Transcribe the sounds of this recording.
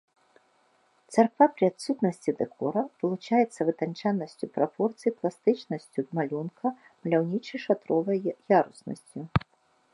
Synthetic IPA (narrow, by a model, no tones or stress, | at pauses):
t̪sarkvapɾɨat̪sut̪nɐsʲt͡sʲid̪ɛkʰɔɾɐvɨlˠut͡ʂajɛt̪sːɐvɨt̪ant͡ʂanːɐsʲt͡sʲupɾapɔrt̪sɨjiplˠast̪ɨt͡ʂnɐsʲt͡sʲud̪malʲunkʰɐ | mɐlʲawnʲit͡ʂɐjʂat̪ɾɔvɐjjaɾusnɐ̰sʲt͡sʲu